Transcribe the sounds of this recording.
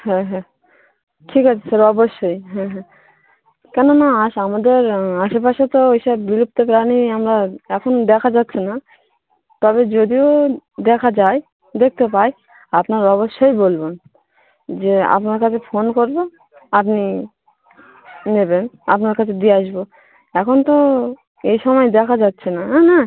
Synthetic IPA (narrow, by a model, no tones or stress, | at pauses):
ɦɛ̃ɦɛ̃ | ʈʰikat͡ɕʰesɔɾɔboʃːojɦɛ̃ɦɛ̃ | kɛnonaaʃamad̪eɾaʃepaʃet̪oiʃabːiɾup̚t̪opɾaniamɾaɛkʰond̪ɛkʰad͡ʑatːɕʰena | t̪ɔbed͡ʑod̪iod̪ɛkʰad͡ʑaj | d̪ek̚ʰt̪epaj | apnaɾɔβoʃːojbolbon | d͡ʑea̰pnaɾkat͡ɕʰefonkoɾbo | apni | nebena̰pnaɾkat͡ɕʰed̪ieaʃbo | ɛkʰont̪o | ejʃɔmɔed̪ɛkʰad͡ʑatːɕʰenaɦɛna